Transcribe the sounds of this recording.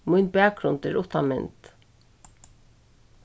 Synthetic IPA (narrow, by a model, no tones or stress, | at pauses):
mʊjnbɛːk̚ɡɾʊnt̪eɾʊt̪amɪ̰nt̪